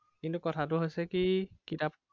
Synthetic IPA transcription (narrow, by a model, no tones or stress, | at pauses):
kintukɔtʰatʊɦojsɛkikitap